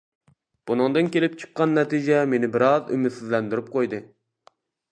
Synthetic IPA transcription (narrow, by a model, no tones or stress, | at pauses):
b̥unɨŋd̪ɨnkʲelɪp̚t͡ʃʰɨ̥qːɑnːɛt̪ʰid͡ʒɛmenɪbɪɾɑzy̰myt̪sizlɛnd̪yɾyp̚qʰojd̪ɨ